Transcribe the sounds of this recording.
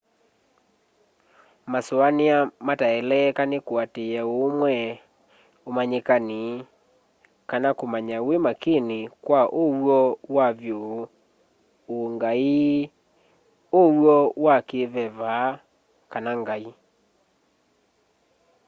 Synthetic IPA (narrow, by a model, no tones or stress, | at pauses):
masoaneamataɛlɛkanekwateɛomwɛ | omaɲekane | kanakomaɲawemakenekwaʔowwɔwaβjo | oŋɡai | owwɔwakeβɛβaː | kanaŋɡai